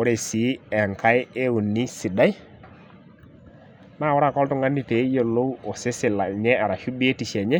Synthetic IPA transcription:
ɔ˦ɾe˨si˨˦ɛ˨ŋka˦je˦wu˨nːi˦si˨da˦j | na˦˨wɔ˦ɾa˦˨kɔ˦ltu˦ŋɡa˦ni˦pe˨˦jo˨lo˦wo˨se˦sɪ˨la˨ɲɛ˦a˨ɾa˨ʃu˦bi˦e˦ti˨ʃɛ˨ɲɛ˦

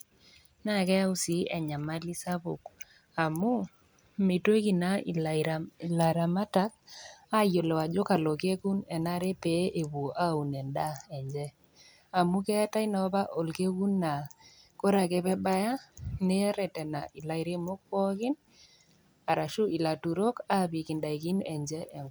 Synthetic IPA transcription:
na˦˨kɛ˦a˦u˦si˨ɛ˨ɲa˨ma˦li˦sa˦bo˨k | a˨mu˦ | me˨twe˦ki˨na˨˦˨ | la˨ɾa˨ma˦ta˦k̚a˦jo˨lɛ˨wa˨d͡ʒo˦ka˨lɔ˨ke˦ku˦nɛ˨na˦ɾe˦pe˨˦ʔe˨bu˨o˨ʔa˦˨u˨nɛ˨nda˦ɛ˨ɲd͡ʒɛ˦ | a˨mʊ˦kɛ˦a˦ta˦i˦na˨ɔ˦pa˦ʔo˨lke˦ku˦nːa˨ | ko˦ɾa˨kɛ˦pɛ˦ba˦ja˦ne˦ɛ˦ɾɛ˨tɛ˨na̰˨ʔɪ˨la˨ɪ˨ɾe˦mo˦k̚pɔ˦kɪ˦n | a˨ɾa˨ʃʊ˦ʔi˨la˨tu˨ɾo˦ka˦bi˨kɪ˨nda˨i˨ki˦nɛ˨ɲd͡ʒɛ˦ʔɛ˨ŋ

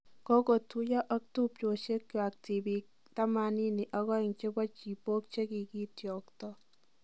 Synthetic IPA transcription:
kɔ˦ko˨tu˦ja˦ʔɔ˦k̚tu˦pt͡ʃo˨ʃe˦kjwa˨k̚ti˨bi˨k̚ | ta˦ma˦ni˦ni˨ʔɔ˦ɣɔ˦ɪ˨ŋt͡ʃe˦bɔ˦t͡ʃi˨po˦k̚t͡ʃe˦ki˨ki˦tjɔ˨ktɔ˦

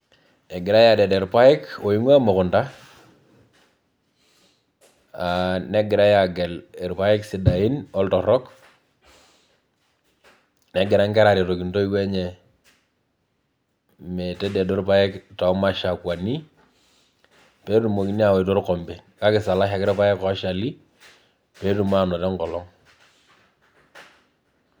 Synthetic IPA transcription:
nɛ˨ɡɪ˨ɾa˦ja˨dɛ˨dɛ˨ɾpa˦ɛ˦ko˨ji˦ŋwa˦mo˨kʊ˨nta˦ | ane˦ɡɪ˨ɾa˦ja˨ɡɛ˨lɛ˨ɾpa˦ɪ˦ksi˨da˨i˦nɔ˦ltɔ˨ɾɔ˦k | nɛ˦ɡɪ˨ɾa˦ŋkɛ˦ɾa˨ɾi˨to˨ki˨nto˦i˦we˦ɲɛ˨ | me˨tɛ˦dɛ˨do˦ɾpa˦jɛ˦kta˨˦ma˦ʃa˨kwa˨ni˦ | pe˦tu˨mo˨ki˦ni˦a˦˨we˨tɔ˦ɾkɔ˨mbe˨nka˦kɪ˨sa˨la˦ʃa˨kɪ˦ɾpa˦jɛ˦kɔ˦ʃa˨li˦ | pe˦tu˨m˦a˨nɔ˨tɛ˦ŋkɔ˨lɔ˦ŋ

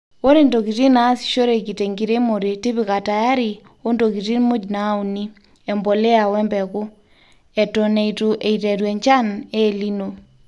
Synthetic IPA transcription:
o˦ɾe˨ndo˨ki˨ti˦na˦si̥˨ʃo˦ɾe˨ki˨te˨ŋɡi˨ɾe˦mo˨ɾe˨ti˦βi˨ka˨ta˨ja˦ɾi˨ | o˦ndo˨ki˨ti˦nmu˦d͡ʒna˨˦u˨ni˦ | ɛ˨mbo˨le˦a˨wɛ˦mbɛ˨kʊ˦ | ɛ˨to˨ne˨i˨tuʔe˨i˨tɛ˨ɾwɛ˨ɲt͡ʃa˦neː˦˨li˦no˨

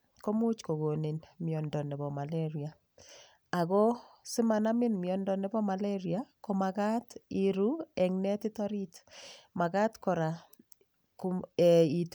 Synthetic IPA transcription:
ko˦mu˦t͡ʃko˨ɣo˨ne˨nmjɔ˨ndɔ˨nɛ˨βɔ˨ma˨leɾi˨a˨ | a˨ɣɔ˦sɪ˦ma˨na˦mɪ˦nmjɔ˨ndɔ˨nɪ˨bɔ˦ma˨leɾiako˦maɣa˦ti˨ɾu˦ɛ˨ŋnɛ˦tɪ˦tɔ˦ɾi˦tma˨ɣa˦tkɔ˨ɾa˨ | ku˨ɛi˨t

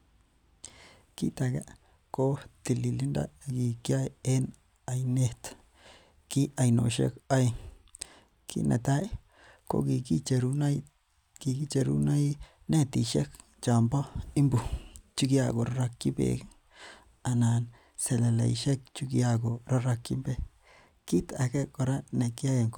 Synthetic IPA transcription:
ki˦t̪a˨ɡa˦ | ko˦t̪i˨li˨li˦nda̰˦ɡi˨kja˦je˦n | a˨jne˦˧t̪ | ki˦a˧jno̰˨ʃḛ˦ka˦j | kʰḭ˦na̰˨t̪a˦ | ko̰˦ɡi˨ɡi˦t͡ʃe˧ɾu˦na˦j | ɡi˧ɡi˦t͡ʃe˧ɾṵ˦na˦j | ne˦t̪i˨ʃe˦k | t͡ʃa˨mba˦i˦mbu˨t͡ʃu˦ɡja˧ɡo˨ɾa˦ɾa˧kːi˦bḛ˨ɡ | a˨na˨n | se˨le˨la̰˨i˨ʃe˦k̚t͡ʃu˦ɡja˧ɡo˨ɾa˦ɾa˧ki˦mbe˦ | ki˦t̪a˨ke˦ko˨ɾa˦ne˨ki˦a˦je˨ŋk

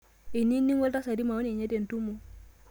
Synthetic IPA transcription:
i˨ni˦nːi˦ŋwa˦lta˦sa˨ɾi˦ma˨wo˦ne˨ɲe˦de˨n˨tu˦mu˨

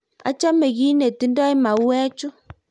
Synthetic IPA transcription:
a̰˦t͡ʃa˦me˨ɣi˦ne˨ti˦ndɔ˦e˦ma˨u˦wɛ˦t͡ʃu˦

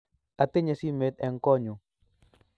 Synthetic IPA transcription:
a˨t̪e˦ɲa˨si˦me˨t̪̚ɛ˨ŋkɔ˦ɲu˨

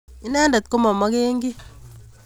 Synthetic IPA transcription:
i˦nɛ˦nda˨t̪̚ko˦mɔ˨mɔ˦ke˦ŋɡi˦

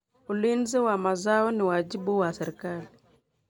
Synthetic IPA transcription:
u˨li˦nze˦wa˨ma˨za˦ɔ˦ni˨wa˨d͡ʒi˦bu˦wa˨se˨ɾka˦li˨

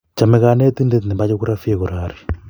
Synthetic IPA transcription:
t͡ʃa˨mɛ˨˦ka˨ne˦ti˦nde˦t̪ni˨mba˦t͡ʃo˦ku˦ɾa˦fi˦e˨ko˨ɾaː˨ɾi˨

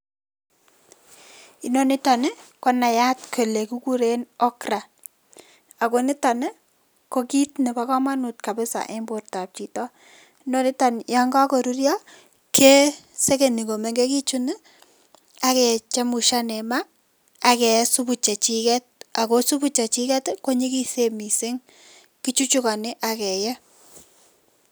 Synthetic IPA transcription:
i˨no˦ni˦ta˨nɪ˦kɔ˦na˨ja˦tkʰo˨le˨ku˦ku˦ɾe˦nɔ˦kra˨ | a˨ko˨ni˦ta˨nɪ˦ | ko˦ki˦tne˨ba˦kɔ˦ma˦nu˨t̚ka˨bɪ˦sa̰˨ʔe˦mbo˨rta˨p̚t͡ʃi˨tɔ˦ | i˦no˦ni˦ta˨njɔ˦ŋɡa˦ko˨ɾu˦ɾjɔ˦ | kʰe˦ | sɛ˦ke˨ni˨ko˨me˨ŋɡe˦ki˦t͡ʃu˦nɪ˦ | a˦kɛ˨t͡ʃɛ˦mu˨ʃa˦nɛ˨ma˦ | a˨kɛ˨˦su˦bu˨t͡ʃa˨t͡ʃi˦kɛ˦t̚a˨ko˦su˦bu˦t͡ʃa˨t͡ʃi˦kɛ˦tko˦ɲi˦ki˦se˦˨mi˨se˦ŋ | ki˦t͡ʃu˦t͡ʃu˦ka˨nɪ˦ʔa˨kɛ˨jɛ˦

